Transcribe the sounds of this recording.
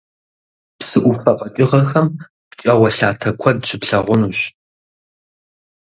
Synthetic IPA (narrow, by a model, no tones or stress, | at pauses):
psɨʔʷʊfɐqʼɐtʼɪʁɐxɐm | pt͡ʃʼɐwɐɬaːtʰɐkʷʰɔd̚ɕʰɪpɬɐʁʷʊnuːɕ